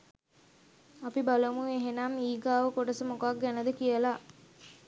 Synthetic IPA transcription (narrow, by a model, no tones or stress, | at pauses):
apibaləmueɦenamiːɡaːʋəkoʈəsəmokak̚ɡænəd̪əkijəla